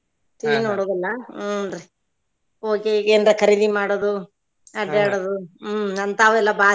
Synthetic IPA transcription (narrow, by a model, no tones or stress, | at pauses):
t̪inoːɽoːd̪ɐlːɐɾe | oːkekeːnd̪ɾɐkʰɐɾid̪imaːɽod̪u | ɐɖaːɽod̪uɐnt̪aːʋɛlːɐbaː